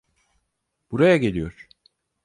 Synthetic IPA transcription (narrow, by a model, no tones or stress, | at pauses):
b̥uɾajaɟelʲijo̞ɾ̥